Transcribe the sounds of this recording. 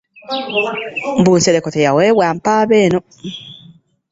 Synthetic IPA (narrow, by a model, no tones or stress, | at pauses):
m̩buːnseɾekotejaweːβwaːmpaːβeːno